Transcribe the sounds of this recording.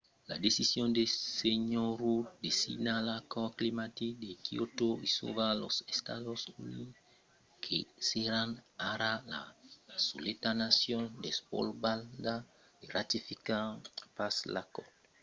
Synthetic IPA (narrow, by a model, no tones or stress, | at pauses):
la̰d̪esisjõnd̪eseɲoɾud̪esḭnalakoklimat̪id̪ekiot̪oiso̰βalo̰sest̪a̰ðosuni | kʰeseɾanaɾala̰solet̪anasjond̪espo̰lbald̪a | d̪erat̪ifikapasla̰ko̰